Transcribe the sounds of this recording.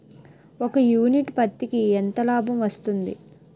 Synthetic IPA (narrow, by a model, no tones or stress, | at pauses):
okɐjuːniʈpɐt̪ːikiɛnt̪ɐlaːbʱɐmʋɐst̪und̪ḭ